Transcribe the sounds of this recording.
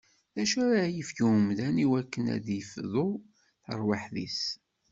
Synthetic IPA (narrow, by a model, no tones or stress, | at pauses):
æʃæɾajəfçuəmðæniwækːənæ̰ðjəfðˤo | θə̰ɾˤwaħðḭs